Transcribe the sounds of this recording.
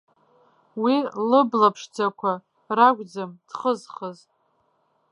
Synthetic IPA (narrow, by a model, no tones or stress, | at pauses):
wilɨblapʰʂd͡zakʷʰa | raɡʷʼd͡zamd̥χəzχəz